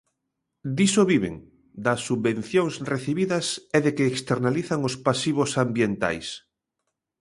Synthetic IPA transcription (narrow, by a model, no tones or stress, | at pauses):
d̪isoβiβḛŋ | d̪asːuβbẽnθjoŋsreθiβiðɐsɛðekeːkst̪eɾnaliθaŋospasiβ̞osambjent̪a̰js